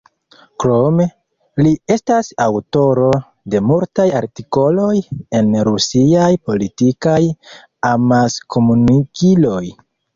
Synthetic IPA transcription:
kɾo̞me̞ | lie̞stasawto̞ɾo̞ | de̞multaja̰ɾtiko̞lo̞je̞nɾusiajpo̞litikaj | amaskʰo̞munikilo̞j

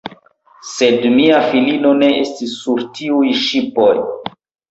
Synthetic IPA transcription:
se̞dmiafilino̞ne̞ʔestisːuɾtiujʃipo̞j

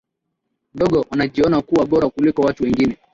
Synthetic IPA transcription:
m̩dɔɡɔwanaʄiɔnakuwaɓɔɾakulikɔwatuwɛŋɡinɛ

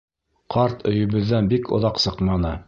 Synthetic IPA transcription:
qʰɑɾt̪ʰɵ̆jɘ̆βɘ̆ðːænbikʰŏ̰ðɑqsɤqmɑnɤ

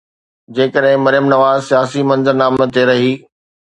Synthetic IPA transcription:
d͡ʑeːkəɗɦɪ̃mɐɾjəmnɐʋaːzsijaːsimɐ̃nzəɾnaːmət̪eɾɐɦiː

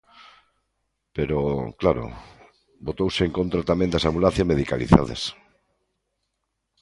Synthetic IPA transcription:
peɾoklaɾo̰ | bot̪owseeŋkont̪ɾat̪amẽnd̪asamulãθjameðika̰lḭθa̰ð̞ḛs

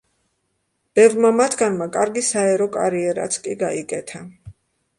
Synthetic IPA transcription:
b̥ɛvɾmamat̪ʰɡanmakʼaɾɡisaɛɾɔkʼaɾiɛɾa̰t̪sʰkʼiɡaikʼɛt̪ʰa

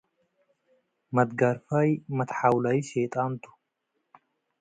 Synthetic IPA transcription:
mɐd̪ɡaɾfaːjmɐt̪ħawlɐjɪʃeːt̪ʼaːnt̪ʊ̥

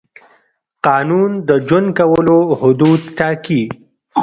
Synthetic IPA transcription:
qɑːnund̪əd͡ʒənd̪kawəlohʊd̪ud̪̚t̪ɑːki

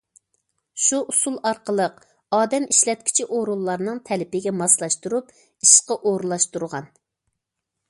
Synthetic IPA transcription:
ʃuʔusulˠɑɾqəlˠəq | ɑːd̪ɛmiʃlɛt̪̚kʲʰi̥t͡ʃʰɪʔoɾulˠːɑɾnɨŋt̪ʰɛlɪpɪɡʲɛmɑslˠɑʃt̪uɾup | iʃqɑʔoɾulˠɑʃt̪uɾʁɑn

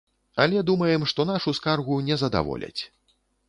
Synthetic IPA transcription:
ɐlʲɛd̪umɐjɛmʂt̪ɔnaʂuskarɣunʲɛzɐd̪a̰vɔ̰lʲɐ̰t͡sʲ

